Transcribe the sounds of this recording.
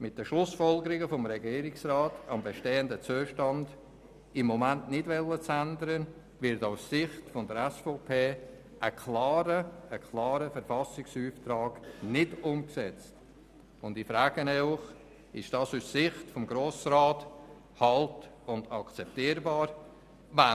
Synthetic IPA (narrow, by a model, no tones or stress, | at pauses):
mɪt̚d̥əʃlʊsfɔlɡəɾɪɡəfɔmɾɛɡiːɾɪksɾaːtɑmbɛʃteːəndət͡suəʃtɑnd̥ | ɪmːɔmæntnɪdvɛlːət͡sændəɾən | vɪɾtaʊssɪχtfɔndəɾɛsfoːpʰeː | ʔəkʰlɑːɾəːkʰlɑːɾəfəɾfɑsɪksyːft̪ɾaːɡnɪdʊmksɛt͡st | ʊndifɾaːɡ̥ənɛʊχ | ɪʃd̥ɑːsussɪχtfɔmɡɾoːsɾaːt | hɑlt | ʊndɑkt͡sɛp̚tiːɾbɑːɾ | va